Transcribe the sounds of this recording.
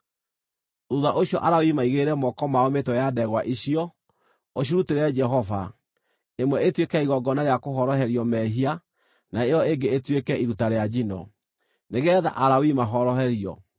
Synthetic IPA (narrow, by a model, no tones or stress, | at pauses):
ɾuðaʔoɕjɔʔaɾawimaiɣeɾɛmɔkɔmaɔmetɔjadɛɣwaʔiɕiɔ | oɕ̬iɾuteɾɛd͡ʒɛɦɔva | emwɛetwekɛiɣɔɡɔnaɾeakoɦɔɾɔɦɛɾiɔmɛɦia | naejɔeŋɡeːtwekɛiɾutaɾead͡ʒinɔ̰ | neɣɛða̰ʔaɾawimaɦɔɾɔɦɛɾiɔ̰